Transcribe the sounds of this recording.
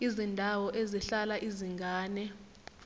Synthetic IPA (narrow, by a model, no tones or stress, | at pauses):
izindʱawɔʔeziɬalaʔiziŋɡʱaːnɛ